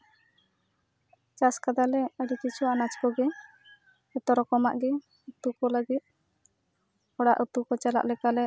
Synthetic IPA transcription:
t͡ʃaskad̪alɛəɖikit͡ʃʰuwaʔnat͡ʃkɔɡɛ | ɔt̪ɔɾɔkɔma̰ʔɡɛ | ut̪ukɔləɡit̪̚ | ɔɽaʔət̪ukɔt͡ʃala̰ʔlɛkalɛ

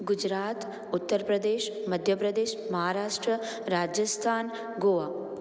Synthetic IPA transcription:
ɡud͡ʒɾaːt̪ | ut̪ːəɾpɾɐd̪eːʃmɐd̪ʱjɐpɾɐd̪eːʃmɐɦaːɾaːʂʈɾə | ɾaːd͡ʒjɐst̪ʰaːn | ɡoːʋa

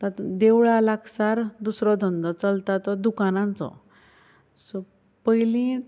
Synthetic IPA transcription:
t̪at̪d̪ewɭalaksaɾd̪usɾɔd̪ʱənd̪ɔt͡səlt̪at̪ɔd̪ukanãnt͡sɔ̰ | sɔ | pəjlĩ

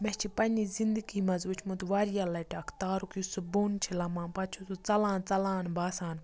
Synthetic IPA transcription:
mɛt͡ʃʰipɐniːzind̪əɡiːmɐzut͡ʃʰmut̪ʋaːɾijalɐʈɐkʰt̪aːɾukjusɨbuːnt͡ʃʰilɐmãːnpɐt͡ʃʰusut͡sɐlãːnt͡sɐlãːnbaːsaːn

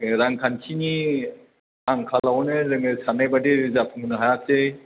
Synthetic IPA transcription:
ɾaŋkʰankʰini | aŋkʰalawnɯɾɯŋɯsanajbadiɾɯzapʰuŋnɯɦajak̚sej

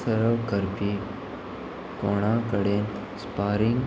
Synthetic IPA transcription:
sɐɾəwkɐɾpiː | koːɳaːkəɽeːn | spaːɾiŋ

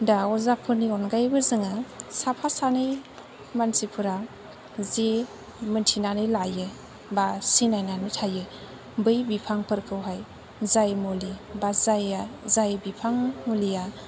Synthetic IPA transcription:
daɔzapʰɯniɔnɡajbɯzɯŋɯsapʰasanɯj | mansipʰɯɾa | ze | mɯntʰinanɯlajɯ | basinajnanɯtʰajɯ | bɯjbipʰaŋpʰɯɾkʰɯwɦaj | zajmolibazajazajbipʰaŋmulija

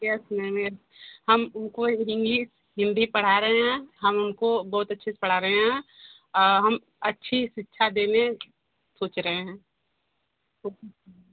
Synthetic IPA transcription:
jɛsmɛːmeːɾ | hɐmʊnkoɪɾɪ̃ŋɡi | ɦɪ̃nd̪ipɐɽ̤aɾɐɦeɦɛ̃ɦɐmʊnkobɔːt̪ɐtːʃʰispɐɽ̤aːɾɐɦeɦɛ̃ː | ɦɐm | ɐtːʃʰiʃɪtːʃʰad̪eːne | soːt͡ʃɾɐɦeɦɛ̃ː | oːkː

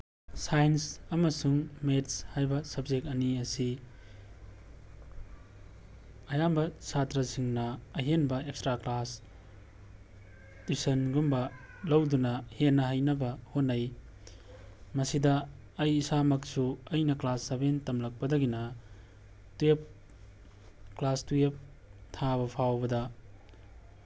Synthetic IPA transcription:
sajensɐmɐsuŋmetshajbɐsɐb̚d͡ʒek̚ɐniɐsi | ɐjambɐsʰatɾɐsiŋnɐːɦenbɐekstɾaklas | tisɐnɡumbɐ | lɐwdunɐhenːɐɦɐjnɐbɐhonːɐj | mɐsidɐː | jisamɐksuɐjnɐklasːɐbentɐmlɐk̚pɐdɐɡinɐ | tuep̚ | klastuep̚ | tʰaβɐpʰawbɐdɐ

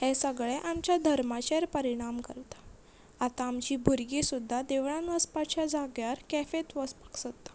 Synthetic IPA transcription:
hesəɡɭeʔamt͡ɕjad̪ʱəɾmat͡ɕeɾpəɾiɽ̃amkəɾt̪ḁ | at̪aːmt͡ɕiːbʱuɾɡesud̪ʱːad̪eʋɳ̃anʋəspat͡ɕjad͡zaɡjaɾkɛfet̪ʋəspḁksət̪ːḁ

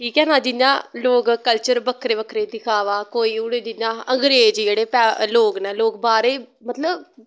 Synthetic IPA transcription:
ʈʰiːkɛːnaːd͡ʒɪjãːloːɡkəlt͡ʃəɾbəkʰɾeːbəkʰɾeːt̪ɪkʰaːʋaːkoːiːʊɽeːd͡ʒɪãːəŋɡɾeːd͡ʒd͡ʒeːɽeːpɛːloːknɛːloːk̚baːɾeːmət̪ləb

